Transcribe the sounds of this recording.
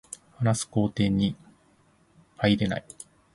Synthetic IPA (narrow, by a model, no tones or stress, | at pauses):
hanasɨ̥ko̞ːt̪ẽ̞ɲ̟ːi | haiɾe̞na̰i